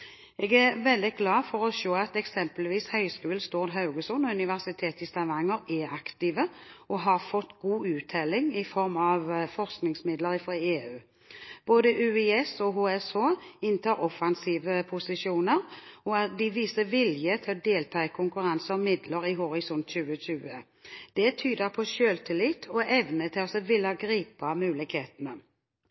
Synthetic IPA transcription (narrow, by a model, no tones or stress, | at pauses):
ɛɡæʁʋɛld̪ɪɡlɑːfɔʁɔʃoːɑt̪ɛksɛmpəlʋiːshœʏskʉːlst̪ɔʁd̪ɦɑʉɡəsɔnɔʉnɪʋæʁsɪt̪ʰeːt̪ɪst̪ʰɑʋɑŋːəɾɛɑkt̪iːʋəɔɦɑʁfɔt̪ːɡuːʉːt̪ʰɛlɪŋɪfɔʁmɑʋfɔʁsknɪŋsmɪd̪ləɾɪfʁɔeːʉː | b̥oːd̪əʔʉːɛɛsɔɦoːɛsoːɪnt̪ʰɑːʁɔfɑnsiːʋəpʰʊsɪʃuːnəʁɔɑt̪̚d̪ɪʋiːsəʋɪljət̪ʰɪlɔd̪eːlt̪ʰɑːɪkʰʊŋkʉʁɑnsəɔmɪd̪ləɾɪɦhɔʁɪsɔnt̪ɕʉːəɕʉːə | d̪̥ɛt̪ʰyːd̪əʁpʰɔʃøːlt̪ʰɪlɪt̪ːʰɔɛʋnət̪ʰɪsəʋɪlːɑɡʁiːpɑmʉːlɪkheːt̪nə